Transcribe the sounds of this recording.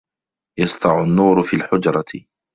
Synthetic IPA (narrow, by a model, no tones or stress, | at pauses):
jɑst̪ˤɑʕʊnːuːɾʊfiːlħʊd͡ʒɾˤɑt̪